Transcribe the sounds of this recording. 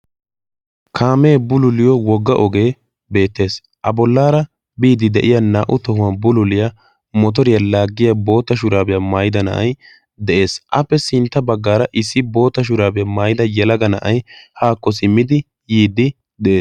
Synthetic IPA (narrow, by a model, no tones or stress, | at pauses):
kʰaːmeːbʊlʊlɪjɔwɔɡːɐʔɔɡe̞ː | be̞ːt̪ːe̞ːs | ʔɐbɔlːaːɾɐ | biːd̪ɪd̪ɛʔɪjɐnaːʔʊt̪ɔhʊaːbʊlʊlɪjɐ | mɔt̪̬ɔɾɪjɐlaːɡːɪjɐbo̞ːt̪ːɐʃ̬ʊɾaːbɛjɐmaːjɪd̪ɐnɐ̰ʔɐ̰j | d̪ɛʔe̞ːsʔɐpːɛsɪnt̪ːɐbɐɡːaːɾɐʔɪsːɪbo̞ːt̪ːɐʃ̬ʊɾaːbɪjɐmaːjɪd̪ɐjɛlɐɡɐnɐʔɐjhaːkːɔsɪmːɪd̪ɪ | jiːd̪ːɪ | d̪ɛʔeːs